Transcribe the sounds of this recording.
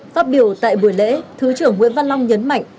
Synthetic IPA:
faː˦˥t̚ɓi˧˩əwt̪a̰ː˧˨jɓu˧˩əjlḛ˧˥t̪ʰɨ˨˦t͡ɕɨ˧˩əŋːwḭ˧˥ənva˧nla˧wŋ͡mɲə˨˦nma̰˧˨jŋ

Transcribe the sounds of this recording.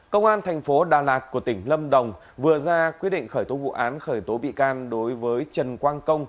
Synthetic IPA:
kə˧wŋ͡mʔaː˧nt̪ʰɛ˨˩jŋ̟fo˨˦ɗaː˨˩laː˨˩t̚ku˧˩ət̪ï˧˩ŋ̟lə˧mɗə˨˩wŋ͡m | vɨ˨˩əzaː˧kwi˦˥ət̚ɗḭ˧˨ŋ̟xəː˧˩jt̪o˨˦vṵ˧˨ʔaː˨˦nxəː˧˩jt̪o˨˦ɓḭ˧˨kaː˧nɗo˨˦jvəː˨˦jt͡ɕə˨˩nkwaː˧nkə˧wŋ͡m

